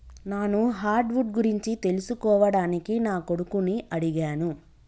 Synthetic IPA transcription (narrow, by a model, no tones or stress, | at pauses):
naːnuɦaːɾɖʋuʈɡuɾiɲt͡ʃit̪e̞lusukɔːʋɐɽaːnikinaːko̞ɽukuniʔɐɽiɡaːnu